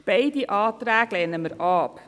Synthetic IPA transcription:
b̥ɛɪdiʔɑːt̪ɾæːɡ̥lɛːnəməɾɑːp

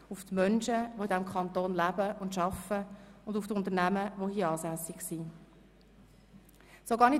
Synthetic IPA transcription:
ʊftmœnʃəʋoidɛmkʰχɑnt̪oːnlæbəʊndʃɑfəʊndʊftʊnt̪ənæməʋohiəɑːsæsɪɡsi | soɡɑːɾni

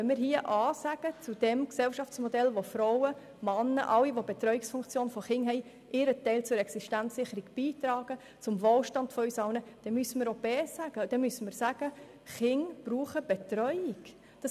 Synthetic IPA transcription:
ɛnmɪːɾɦiəʔɑːsæɡ̥ət͡sud̥ɛmksɛlʃɑft͡smɔdɛlʋofɾɔʊwə | mɑnːə̰ʔɑlːiʋobet̪ɾœʏɪksfʊŋkt͡sjoːnfɔχɪŋɦɛɪ | ʔɪɾətɛɪlt͡sʊɾɛksiʃtænsːɪχəɾiɡ̥b̥iːtɾɑːɡ̥ə | t͡sʊmvoːlʃtɑndfɔysɑwnəd̥ɛmysəmɪɾob̥ɛːsæɡ̥əd̥ɛmysəmɪːɾsæɡ̥ə | χɪŋb̥ruːχəb̥etɾœʏɪɡ̥ | d̥ɑs

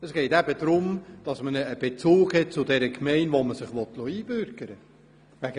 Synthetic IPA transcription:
əsɡ̥ɛɪtæbədɾʊmd̥ɑsmənəːb̥et͡suːkhɛt̚t͡sʊdɛɾəkʰmɛɪnʋoməsɪχʋɔtlɔiːb̥øɾɡ̥əɾə | ʋæɡ

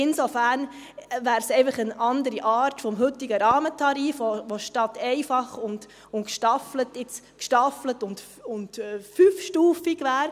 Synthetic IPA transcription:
ɪnsofæːɾn | væːɾsɛɪfəχənɑndəɾiʔɑːɾtfɔmɦɵtiɡəɾɑːmətʰɑɾiːfʋoʋoʃtɑtːɛɪfɑχʊnd | ʊnkʃtɑflətɪt͡skʃtɑflətʊnt | ʊntːfyːfʃtuːfiɡʋæːɾ

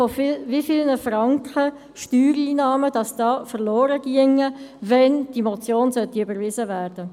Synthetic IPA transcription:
ɔfɪlvifɪlnəfɾɑŋkχə | ʃtyːɾiːnɑːməd̥ɑsd̥ɑːfəʁlɔːɾəɡ̥iəŋːəvɛnd̥imɔt͡sjoːnsœtiybəɾvɪzəʋæːrd̥ə

